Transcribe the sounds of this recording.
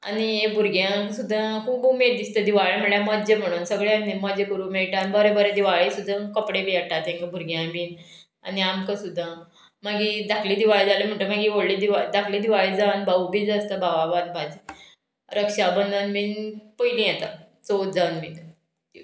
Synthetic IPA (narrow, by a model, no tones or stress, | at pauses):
a̰niebʱuɾɡjãksud̪ʱːakʰuːbumeɾd̪ist̪əd̪iʋaɭim̤əɭjãmɔd͡ʑem̤əɽ̃uːnsəɡɭeanemɔd͡ʑekuɾumeɭʈanbɔɾebɔɾed̪iʋaɭisud̪ʱːakəpɽeʋeəʈat̪ẽŋkəbʱuɾɡjãbiːn | a̰niamkəsud̪ʱːã | maɡid̪akʰliːd̪iʋaɭid͡zaləm̤əɳʈəmaɡiʋoɽlid̪iʋad̪akʰlid̪iʋaɭid͡zanbaubiːd͡zast̪əbaʋabanbad͡ʑi | ɾəkʂabənd̪ənminpəjlĩjɛt̪a | t͡sot̪d͡zawnmik̪ | i